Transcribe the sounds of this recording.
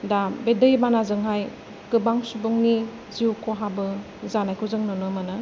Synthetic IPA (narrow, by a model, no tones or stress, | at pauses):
dabedɯjbanazɯŋɦaj | kɯbaŋsubɯŋni | ziukʰoɦabɯ | zanajkʰuzɯŋnɔnɯmanɯ